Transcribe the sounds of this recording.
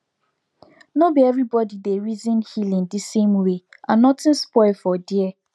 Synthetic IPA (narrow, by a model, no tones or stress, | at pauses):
nobiɛvɹibɔdideɹizĩnhilĩndisẽmweʔãnnɔtɪ̃nspɔɪlfɔdiɛ